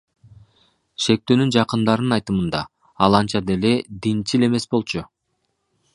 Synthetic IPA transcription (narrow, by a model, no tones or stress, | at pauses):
ʃe̞k̚t̪øːnynd͡ʒɑqɯnd̪ɑɾnɯnɑjt̪ɯmɯnd̪ɑ | ɑlˠɑnt͡ʃɑd̪e̞le̞d̪int͡ʃile̞me̞sbo̞lˠt͡ʃʊ